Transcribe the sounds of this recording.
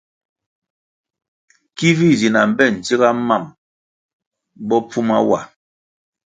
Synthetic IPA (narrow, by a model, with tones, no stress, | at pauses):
ki˦vi˦˨zi˨na˨m̩˨bɛ˦˨n̩˨t͡si˦ɣa˦ma˦˨m | bɔ˦pʰu˦ma˦wa̰˨